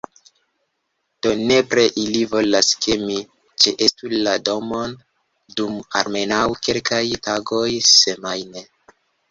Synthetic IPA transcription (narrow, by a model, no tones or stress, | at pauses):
d̥o̞ne̞pɾeʔilivo̞laskemi | t͡ʃeʔestulado̞mo̞n | duma̰ɾme̞nawke̞lkajtaɡo̞jse̞majne